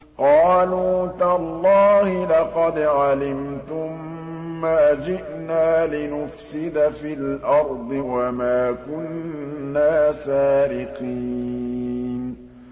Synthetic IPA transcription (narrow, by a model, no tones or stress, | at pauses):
qɑːluːt̪alˤːɑːhɪlɑqɑd̪ʕalɪmt̪ʊmː | aːd͡ʒɪʔnaːlɪnʊfsɪd̪afilʔɑɾˤd̪ˤɨwamaːkʊnːaːsaːɾɪqiː | n